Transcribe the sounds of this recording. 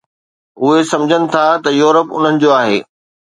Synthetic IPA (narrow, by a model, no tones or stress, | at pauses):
ʊɦesɐ̃md͡ʑʱənɪ̆t̪ʰat̪ɐjuːɾəpʊ̰n̤ənɪ̆d͡ʑoːaːɦeː